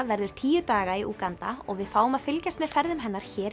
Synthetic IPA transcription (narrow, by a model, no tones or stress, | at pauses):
vɛɾðʏɾ̥t̪ʰiːjʏt̪aːɣaiʔuːkant̪aɔ̰ɣvɪðfaːwʏmaðfɪlcast̪mɛðfɛɾðʏmɦɛnːaɾ̥çɛːɾ